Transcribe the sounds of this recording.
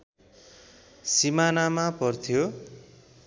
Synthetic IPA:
simanamapʌrt̪ʰjo

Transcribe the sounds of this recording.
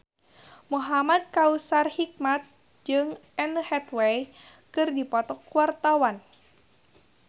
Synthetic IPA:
muɦamad̪̚kausarhik̚mat̪̚ | d͡ʒɨŋɛnhɛt̪wej | kɨrdipɔt̪ɔkuwart̪awan

